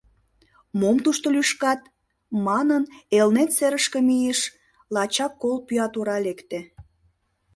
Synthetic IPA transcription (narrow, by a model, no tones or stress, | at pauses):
momt̪uʃt̪olyʃkɑt̪ | mɑnənelnet̪seɾəʃkəmijeʃ | lɑt͡ɕɑkːolpyɑt̪uɾɑlekt̪ĕ